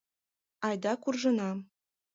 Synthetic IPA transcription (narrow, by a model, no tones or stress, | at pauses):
ɑjd̪ɑkurʐɤ̆nɑ